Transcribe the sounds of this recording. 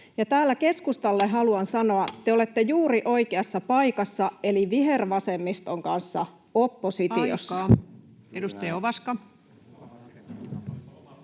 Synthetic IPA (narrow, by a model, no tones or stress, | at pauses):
jɑt̪æːlːæke̞skust̪ɑlːeɦɑluɑnsɑno̞ɑt̪eo̞le̞t̪ːe̞juːɾiʔo̞jkeɑsːɑpɑjkɑsːɑe̞liʋiɦe̞rʋɑse̞mːist̪o̞ŋkɑnsːɑ̰ | o̞pːo̞sit̪io̰sːɑ | edust̪ejɑoʋɑskɑ